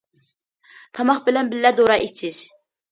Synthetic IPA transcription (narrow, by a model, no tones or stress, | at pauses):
t̪ʰɑmɑχbɪlɛnbɪlːɛd̪oɾɑʔit͡ʃʰɪz̥